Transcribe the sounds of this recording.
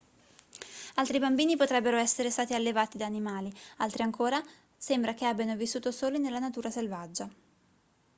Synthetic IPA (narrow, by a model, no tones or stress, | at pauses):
alt̪ɾibambiːnipot̪ɾɛbːeɾoɛsːeɾest̪aːt̪ialːevaːt̪id̪aːnimaːlialt̪ɾiaŋkoːɾa | sembɾakeabjanovisːuːt̪osoːlinelːanat̪uːɾaselvad͡ʒːa